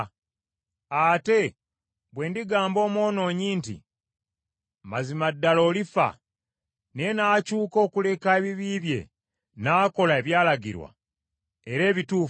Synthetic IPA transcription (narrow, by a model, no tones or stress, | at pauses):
ate̞ | bwe̞ːndiɡaːmbo̞ːmwo̞ːno̞ːɲiːntḭ | mazimadːalo̞ːlifa̰ | ne̞naːcuːko̞ːkule̞kaeβiβiːβje̞̰ | naːko̞lae̞βjaːlaɡḭɾwa̰ | e̞ɾe̞ːβituːf